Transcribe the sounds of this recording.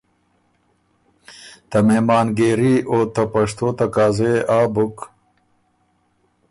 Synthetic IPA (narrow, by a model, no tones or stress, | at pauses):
t̪ɐmemɑːnɡeɾioːt̪ɐpɐʂt̪oːt̪ɐkaːzeaːbuk